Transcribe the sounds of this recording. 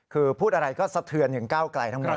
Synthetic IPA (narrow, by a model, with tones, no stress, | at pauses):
kʰɯː˧pʰuː˥˩t̪ʔa˧ɾa˧jkɔː˥˩sa˧t̪ʰɯ˧ənjʰɯ˩˦ŋkaː˥˩wkla˧jt̪ʰa˦˥ŋmo˨˩